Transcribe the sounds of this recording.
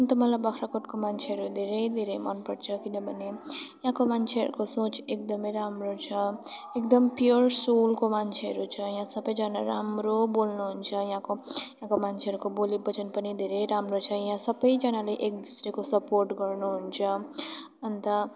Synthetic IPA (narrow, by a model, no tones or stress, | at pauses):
ʌnt̪ʌmʌlabakʰɾakoʈkomant͡ʃʰeɦʌɾud̪ʱeɾʌjd̪ʱeɾejmʌnpʌɽt͡sʰʌkinʌbʱʌnejɦãkomant͡ʃʰeɦʌ̰ɾukosot͡ʃek̚d̪ʌmʌjɾamrot͡sʰʌekd̪ʌmpjoɾrsolkomant͡ʃʰeɦʌɾut͡sʰʌjɦãsʌbʌjd͡zʌnaɾa̰mɾobolnuɦunt͡sʰʌjɦãkojjɦãkomant͡ʃʰeɦʌɾukobolibʌt͡ʃʌnpʌnid̪ʱeɾejɾamrot͡sʰʌjɦãsʌbʌjd͡zʌnaleʔek̚d̪usɾekosʌporʈɡʌrnuɦunt͡sʰʌ | ʌnt̪ʌ